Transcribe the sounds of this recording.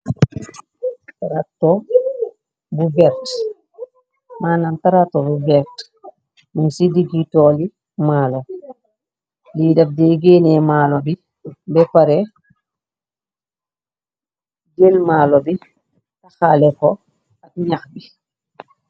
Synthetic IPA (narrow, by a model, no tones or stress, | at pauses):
taɾatɔ | bubɛɾt | maːnantaɾatːɔbubɛɾt | mansidiɡitɔːli | malɔ | lidɐf̚dɛɡenɛmaːlɔbi | bɛpaɾɛ | ɡelmaːlɔbi | taxalɛkɔ | ɐk̚ɲaxbi